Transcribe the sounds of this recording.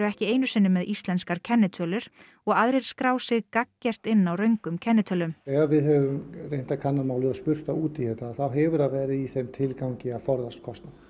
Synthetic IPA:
ɾʏɛhcɪeːjnʏsɪnːʏmɛðist̪lɛnskaɾcʰɛnːɪt̪ʰœːlʏɾ̥ | ɔɣaðɾeɾ̥skɾaːwsɪɣkacːɛr̥t̪ɪnːawrœɥŋkʏmcʰɛnːɪt̪ʰœːlʏmɛɣavɪðɦɛvʏmrejn̥t̪akʰanːamaːwlɪaspʏr̥t̪auːt̪ɪhɛːt̪aːθawɦɛvʏɾaðvɛːɾɪðiθɛmt̪ʰɪlkawɲcɪafɔɾðast̪̚kʰɔst̪na

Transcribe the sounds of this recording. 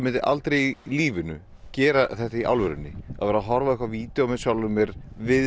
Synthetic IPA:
mɪnt̪ɪʔa̰lt̪ɾejiliːvɪnʏ̰ | cɛːɾaθɛht̪aiʔa̰wlvɛɾʏ̰nːɪ̰a̰ðvɛːɾaɦɔɾvaɛhkvaviːt̪ɛɔmɛðsjawlʏmːjɛɾ̥vɪð

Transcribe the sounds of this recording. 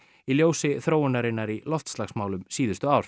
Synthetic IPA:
iljoːwsɪθɾoːwʏnːaɾɪnːaɾilɔft̪slaxsmaːwlʏmsiːðʏst̪ʏawɾ̥

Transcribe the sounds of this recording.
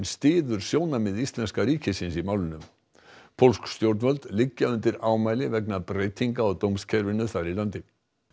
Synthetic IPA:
nst̪ɪːðʏɾ̥sjoːwnamɪðist̪lɛnskaɾiːcɪsɪnsimaːwlɪnʏm | pʰowlskst̪jowɾt̪nvœlt̪lɪcːaʏnt̪ɪɾaːwmaːjlɪvɛknapɾeːjt̪ʰiŋkaɔɣt̪owmscʰɛɾvɪnʏθaɾilant̪ɪ

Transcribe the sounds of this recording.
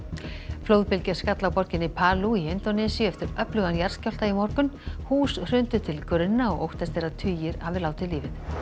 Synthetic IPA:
floːwðpɪlcḁskat̪lawpɔɾcɪnːɪpʰaːluiɪnt̪ɔnɛsiʏɛft̪ɪɾœplʏɣanjar̥scɔwlt̪aimɔɾkʏnhuːsr̥ʏnt̪ʏt̪ʰɪlkɾʏnːaɔɣowht̪ɛst̪ejɾat̪ʰʏːjɪɾa̰vɪlaːwt̪ʰɪliːvɪθ

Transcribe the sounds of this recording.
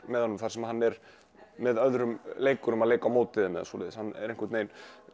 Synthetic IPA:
mɛðhɔnːʏmθaɾsɛmahanːɛɾ | mɛðœðɾʏmleːjkʏɾʏmaðleːjkawmoːwt̪ɪðɪmɛða̰sɔ̰ːlɪ̰ðɪshanːɛ̰ɾejŋ̥kʏɾt̪nejn

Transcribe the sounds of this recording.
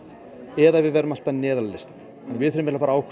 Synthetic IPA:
ɛðavɪðvɛːɾʏmal̥t̪anɛːðallest̪ḁ | nvɪðθœɾʏmɛlapaɾaaːwkʰ

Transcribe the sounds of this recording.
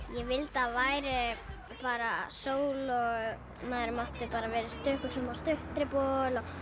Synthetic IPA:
jɛvɪlt̪avaːjɾɪ | paːɾasoːwlɔ | maðɾmaht̪ʏpaːɾavɛːɾɪst̪ʏhkʏ̥sɛmast̪ʏht̪ɾɪpɔlɔ

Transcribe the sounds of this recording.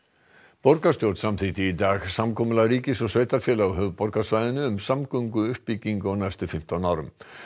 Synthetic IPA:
pɔɾkast̪jowɾt̪samt̪ʰit̪ɪit̪aːɣsamkʰɔːmʏlaɣɾiːcɪsɔsveːjt̪aɾ̥fjɛlaɦœvpɔɾkasvajðɪnʏʏmsamkœɥŋkʏʏhpːiciŋkʏɔwnajst̪ʏfɪm̥t̪awnaːwɾʏm

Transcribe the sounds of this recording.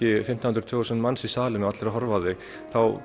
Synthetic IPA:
ɪfɪm̥t̪ahʏnɾt̪ʰvœːɣʏsɛnmansisaːlɪnʏaat̪lɛɾaɦɔɾvaðɪ | θaw

